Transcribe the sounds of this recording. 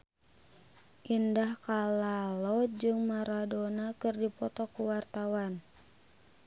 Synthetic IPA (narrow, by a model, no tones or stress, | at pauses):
ʔindahkalalɔd͡ʒɨŋmaɾadɔnakɨrdipɔt̪ɔkuwart̪awan